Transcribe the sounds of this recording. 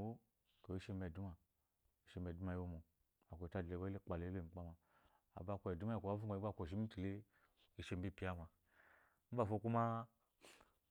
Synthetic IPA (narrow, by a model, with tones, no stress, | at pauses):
o˦ | ko˨i˦ʃe˦m˦be˨du˦ma˨ | i˨ʃe˧m˦e˨du˦ma˨ji˦o˦mo˨ | a˨kʷo˨ta˦de˨ba˦e˦k͡pa˨le˨˦be˦˨m̩˨k͡pa˦ma˨ | a̰˨ba˦˨ko˨e˨du˦ma˦i˨ko˨a˦vu˦ɡa˨˦i˦a˦˨kʷo˨ʃ̬i˦mi˦ti˨le˦ | i˨ʃe˨m˦bi˦˨pi˨˦a˦ma˨˦ | m̩˦ba˨fo˦ku˦ma˦